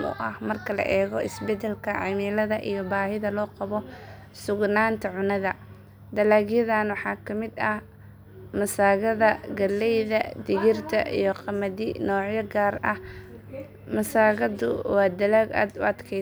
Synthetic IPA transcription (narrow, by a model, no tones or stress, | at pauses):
nʊ̰ʔɐhmɐrkʰɐlɐ̰ʔɛːɣɔɪsbɛd̪ɛlkʰɐʕɑmɪlɐðɐʔijɔbaːhɪðɐlɔːqɑβɔ | sʊɡnaːnt̪ʰɐʕʊnɐðɐ | d̪ɐlaːɡjɐðaːnwɑħɑːkʰɐmɪd̪ɐh | mɐsaːɣɐðɐɡɐlːɛjðɐd̪ɪɣɪrt̪ʰɐʔḭjɞqɑmɐðɪnɔːʕjɐɡaːrɐh | mɐsaːɣɐd̪ʊ̰wɑːd̪ɐlaːɡa̰ːd̪ʊ̰ɐd̪kʰɛ